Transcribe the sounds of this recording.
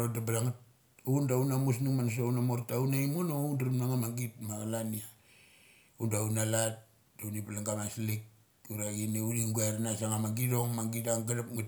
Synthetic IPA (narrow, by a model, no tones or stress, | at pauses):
odabaɾaŋat | undaunamus̬nuŋmans̬ounamoɾtaunaimonoundaɾumnaŋamaɡitmaɡalania | undaunalat | daunipalaŋɡamaslik̚ | uɾaɡineuliŋɡueɾnasaŋamaɡido̞ŋmaɡidaŋɡaɾapŋat